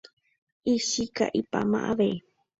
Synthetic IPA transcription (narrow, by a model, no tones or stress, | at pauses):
iʃika̰ʔipamã̰ʔaβe